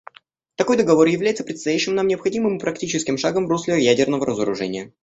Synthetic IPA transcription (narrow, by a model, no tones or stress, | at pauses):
t̪ɐko̞jd̪əɡɐvo̞rjɪvlʲæjt̪səpɾʲɪt̪st̪ɐjæɕːɪmnamnʲɪəpxɐdʲimɨmɨpɾɐktʲit͡ɕɪskʲɪmʂaɡəmvɾoslʲɪjædʲɪrnəvəɾʔəzəɾʊ̰ʐɛ̰nʲɪjə